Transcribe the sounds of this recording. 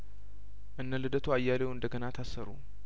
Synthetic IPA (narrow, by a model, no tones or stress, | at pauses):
ʔɨnːəlɨd̪ət̪ʰuajːalewɨnd̪əɡənat̪ʰasːəɾu